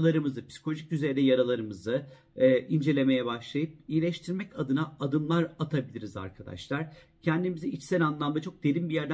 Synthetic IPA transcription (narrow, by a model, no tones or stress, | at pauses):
lˠaɾɯmɯzɯpsi̥kolʲoʒicyze̞ɾd̪ɛjaɾalˠaɾɯmɯzɯ | ʔind͡ʒe̞lʲe̞me̞jɛbaʃlˠajɯp̚ijlʲɛʃt̪ʰiɾmɛcad̪ɯnaːd̪ɯnlˠaɾat̪ʰabilʲiɾiza̰ɾkʰad̪a̰ʃlˠaɾ̥ | cʰɛnd̪imiziit͡ʃsɛnʲanlˠand̪at͡ʃʰo̞k̚d̪eɾʲimbijæɾd̪æ